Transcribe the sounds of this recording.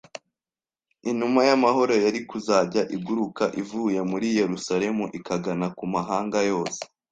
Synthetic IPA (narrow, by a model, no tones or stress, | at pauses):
iɲumajamaɦo̞ɾo̞jaɾikuzaːɟaʔiɡuɾukaʔivuːje̞muɾije̞ɾusaɾe̞muʔikaɡanakumaɦaːŋɡajo̞ːse̥